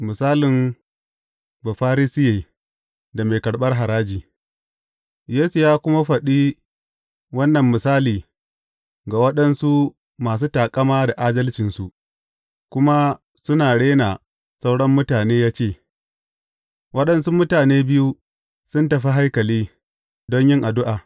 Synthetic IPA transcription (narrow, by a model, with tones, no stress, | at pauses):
mɪ˨saː˦lɪ˨m | ba˨ɸaː˦ɾi˦sɪ˦jeː˨ | da˨me˨kɐ˨ɽɓɐ˦rɦa˨ɾaː˦d͡ʒiː˨ | jeː˦su˨jaː˦kʷʊ˦ma˦ɸɐ˨ɗiː˦ | wɐ˦nːɐ˨mːɪ˨saː˦liː˨ | ɡa˨wɐ˦ɗɐ˦nsu˦ | maː˨s̬uː˦taː˨kʼɐ˦maː˦da˨ʔaː˦dɐ˦lt͡ʃɪ˨nsu˨ʔ | kʷʊ˦ma˦ | sʊ˦naː˨ɽeː˦na˨ | sa˦wɽɐ˦mːʊ˦taː˨neː˦jaː˦t͡ʃeː˦˨ | wɐ˦ɗɐ˨nsu˦mʊ˦taː˨neː˦bɪ˦ju˦ | sʊ˦ntɐ˨ɸi˦ɦa˦jkɐ˨liː˦ | dɔ˦ɲjɪ˦ŋʔa˨dʊ˦ʔaː˨